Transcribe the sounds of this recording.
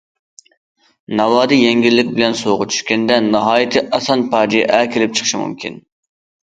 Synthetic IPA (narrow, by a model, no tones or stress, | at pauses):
nɑwɑːd̪ɨjɛŋɡʲilːɪkʲbɪlɛnsoʁʊt͡ʃʰy̥ʃkʲɛnd̪ɛnɑɦɑːjit̪ʰɨʔɑsɑnpʰɑd͡ʒijɛʔɛkʲelɪp̚t͡ʃʰə̥χʃimṵmkʲḭn